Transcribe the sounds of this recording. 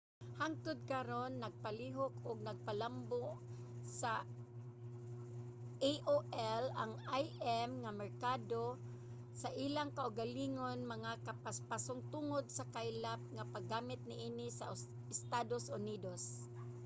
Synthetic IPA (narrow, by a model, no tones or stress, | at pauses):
haŋt̪ʊd̪̚kaɾonːɐɡ̚paliɦokʊɡ̚naɡ̚palamboʔsa | ʔeʔoʔɛlaŋajʔɛmŋamɛɹkaːd̪o | saʔilaŋkaʔʊɡaliːŋonmɐŋakapaspasʊŋt̪uŋod̪̚sakajlap̚ŋapaɡaːmɪt̪̚nɪʔiːnɪsa | ɪst̪ad̪osʊniːd̪os